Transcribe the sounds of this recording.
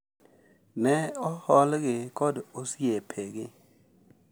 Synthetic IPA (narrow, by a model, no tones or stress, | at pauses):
nɛɔhɔlɡɪkɔdosiepʰeɡɪ